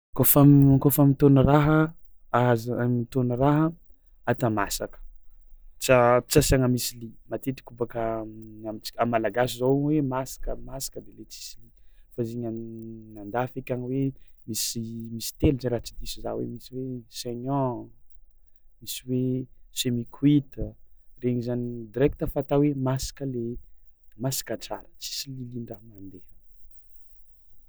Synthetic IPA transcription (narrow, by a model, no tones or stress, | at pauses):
kofamkofamit̪onəɾaɦəazamit̪onəɾaɦə | at̪amasakə̥ | t͡sat͡sasaŋəmisilimat̪et̪i̥kubakəamit͡si̥amalaɡas̬izowwemasḁkəmasḁkəd̪elet͡si̥silifaziɲanand̪afekʲaniwemisimisi̥t̪eluzeɾat͡sid̪isizawḛmisiweseɲɔ̃ | misiwesemikʰwit̪əreɲizanid̪iɾɛk̚t̪əfat̪awemasḁkəle | masḁkəʈ͡ʂaɾə̥t͡si̥sililiɳɖ͡ʐaɦmand̪e